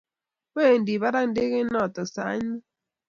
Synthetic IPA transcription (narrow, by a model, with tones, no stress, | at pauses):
we˦˨ndi˨βa˦ɾa˦n˦de˦ɣe˦nɔ˦˨tɔ˨sa̰˨˦ɲi˦